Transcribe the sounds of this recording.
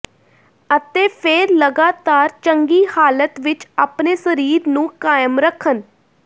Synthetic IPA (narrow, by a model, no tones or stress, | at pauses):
ət̪eːpʰeːɾləɡaːt̪aːɾt͡ʃəŋɡiːhaːlət̪ʋɪt͡ʃaːpneːsəɾiːɾnũːkaːjəmɾəkʰːən